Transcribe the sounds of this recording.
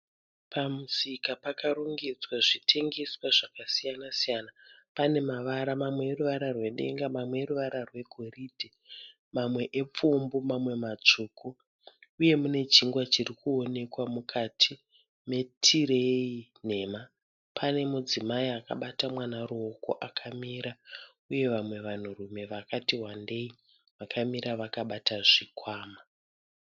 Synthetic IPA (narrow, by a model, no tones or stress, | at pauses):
pamusikapakaɾoŋɡed͡zwaʐitʰe̞ŋɡe̞swaʐakasijanasijanapane̞maʋaɾamamwe̞ːruʋaɾarwe̞ɗe̞̰ŋɡamamweːɾuʋaɾarwe̞ɡʱoridʱe | mamwe̞ʔep͡fumbomamwe̞mat͡ʂuːkʰu | uje̞mune̞t͡ʃiŋɡwat͡ʃirikʰuone̞kwamukʰatʰi | me̞tʰire̞ine̞ma | pʰane̞mud͡zimaiaka̰ɓatamwanaɾuoko̞̰ʔakʰamiɾa | uje̞ʋamwe̞ʋan̤urume̞ʋakatiɦwande̞i | ʋakʰamiɾʔaʋakaɓataʐikʰwaːma